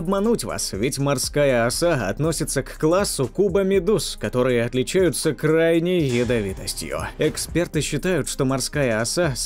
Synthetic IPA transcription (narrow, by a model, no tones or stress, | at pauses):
ɐbmɐnutʲva̰svʲɪtʲmɐrskajəɐsaɐ̰t̪no̞sʲɪt̪səkːlˠasːʊkubəmʲɪd̪uskɐt̪o̞ɾɨjɪɐt̪lʲɪt͡ɕæjʊt̪səkrajnʲəjːɪd̪ɐvʲit̪əsʲtʲjʊ̰ɛkspʲe̞rt̪ɨɕːɪt̪ajʊt̪ʂt̪o̞mɐrskajəɐsas